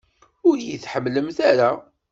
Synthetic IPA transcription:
ʊɾjiθħəmːləmθaɾa

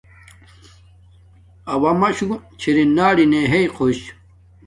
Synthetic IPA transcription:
ɐwɐmɐɕut͡ɕʰiɾinaːɽineɦejqʰoɕ

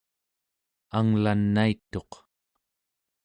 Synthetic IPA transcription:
aŋlanːait̪ːo̞q

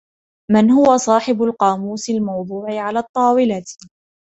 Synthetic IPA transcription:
mɪnhʊwasˤɑːħɪbʊlqɑːmuːsɪlmɑwd̪ˤuːʕɪʕalaːt̪ˤːɑːwɪlat̪

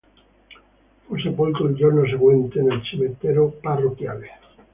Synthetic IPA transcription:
fosepolt̪oeldoɾnos̬eɣwent̪enelt͡ʃimet̪eɾoparokjal

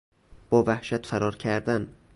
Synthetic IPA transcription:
b̥ɒːvæhʃæt̪fæɾɒːɾcʰæɾd̪æn

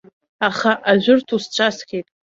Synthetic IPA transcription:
aχaʔaʒᶣʷʊrtʰust͡ʃʷʰaskʲejtʼ

